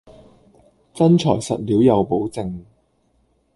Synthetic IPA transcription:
t͡sɐ˥nt͡ʃʰɔː˨˩jsɐ̰˨t̚liː˨˥wjɐ˨˧wpo˨˥wt͡sɪ˨ŋ

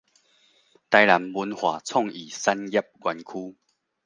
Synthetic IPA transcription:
t̪a˧jla˨˦mbu˧nhwaː˨˩˦t͡sʰɔ˥˨ŋi˨˩sa˦˥nɡja˦˩p̚ɡwa˧nkʰuː˦

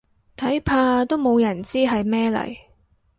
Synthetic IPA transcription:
t̪ʰɐ˨˥jpʰaː˧t̪o˥wmo˨˧wjɐ˨˩nt͡siː˥ɦɐ˨jmɛː˥lɐ̰˨˩j

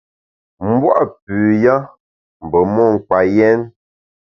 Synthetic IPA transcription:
m̩˦bwa̰˦ʔpʉ˨ja˦ | m̩˨bə˨mɔ˦˨ŋ̩˨ka˨jɛ˦n

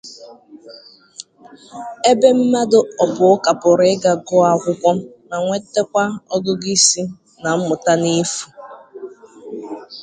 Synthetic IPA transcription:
e˦be˦m̩˦ma˦dʊ˦ɔ˨bʊ˨ʊ˦ka˨pʊ˨ɾɪ˨˦ɡa˨ɡʊ˦a˨kʷʊ˦kʷɔ˦ | na˨ŋʷe˦te˦kʷa˦ɔ˦ɡʊ˦ɡi˦si˦ | na˨m̩˦mʊ˨ta˦ni˦fu˨

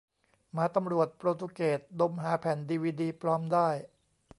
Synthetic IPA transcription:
maː˨˧˥t̪a˧mɾu˨˩ət̪̚pɾoː˧t̪ʰu˧keː˨˩t̪̚do˧mɦaː˩˦pʰɛː˩˦ndiː˧wiː˧diː˧pʰɾɔː˦˥mdaː˥˩j

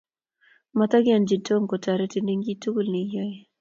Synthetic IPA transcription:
ma˨ta˦ɡɪ˦a˨nd͡ʒi˨to˦ŋko˨ta˨ɾɛ˦ti˦ndi˦ŋɡi˦tu˦ɡu˦lni˨jɔ˦je˦

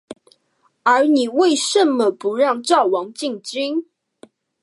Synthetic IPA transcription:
ə˞˨˧˥ni˨˩we˥˨ɪʂə˨mmə˨pu˨˦ɻɑ˥˧ŋʈ͡ʂɑ˥˩ʊwɑ˧˥ŋt͡ɕi˥˨ŋt͡ɕi˥ŋ

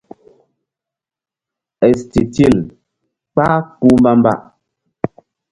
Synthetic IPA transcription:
ɛ˨sti˨ti˦˨l | k͡pa˦ku˦m˦ba˦m˦ba̰˦˨ʔ

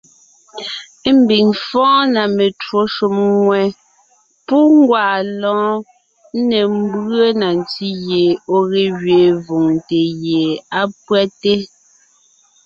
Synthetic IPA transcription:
m̩˦bi˨ŋfɔ̃ː˦na˨me˨two˦ʃo˦˨mŋwɛ˨ | pu˦ŋ˦ɡwaː˨lɔ̃ː˨˦ | ne˨m˦bə˦na˨n˨ti˦ɣje˨o˦ɣe˨ɣɥe˨vo˨ŋte˨ɣje˨a˦pwɛ˦te˦

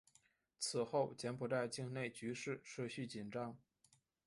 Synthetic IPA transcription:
t͡sʰɹ̩˨˩xo˥˩ʊt͡ɕjɛ˧˥npʰu˧˥ta˥˧ɪt͡ɕi˥˧ŋne˥˩ɪt͡ɕy˧˥ʂɻ̩˥˩ʂɤ˥˧ɕy˥˩t͡ɕi˨˩nʈ͡ʂɑ˧˥ŋ

